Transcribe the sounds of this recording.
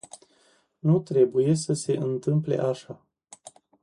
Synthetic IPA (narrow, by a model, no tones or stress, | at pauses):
nut̪ɾe̞buje̞s̬əse̞ʔɨnt̪ɨmple̞̰ʔaʃa